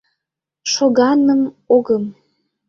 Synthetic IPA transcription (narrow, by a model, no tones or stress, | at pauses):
ʃoɣɑnəm | oɣəm